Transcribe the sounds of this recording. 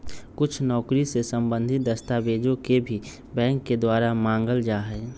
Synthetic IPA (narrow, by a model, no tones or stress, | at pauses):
kʊt͡ʃʰnɔːkɾisesə̃mbə̃nd̪ʱɪt̪̚d̪əst̪aːbeːd͡ʒõkebʱi | bɛ̃ːŋkːed̪waːɾamãːŋɡəld͡ʒaːɦɛː